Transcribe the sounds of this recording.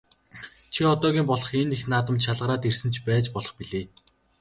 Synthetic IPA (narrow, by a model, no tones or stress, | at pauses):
t͡ɕʰiɔt̪ɔːɣʲiːmpɔɮɞ̆χenːexnaːt̪ə̆mʃaɮʁə̆ɾaːt̪ersɘ̆nt͡ɕʰpæːt͡ɕpɔɮɞ̆χpiɮeː